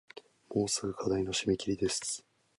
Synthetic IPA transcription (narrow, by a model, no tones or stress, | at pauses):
mo̞ːsɨɡɯ̟kʰad̪aino̞ɕimekʲiɾʲid̪e̞sɨ̥